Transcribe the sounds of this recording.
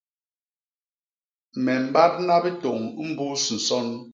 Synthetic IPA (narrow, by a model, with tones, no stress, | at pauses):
mɛ˨m̩˨˦ba˦t̚na˦bi˦to˨ŋ˦m̩˦bu˦su˨sɔ˦n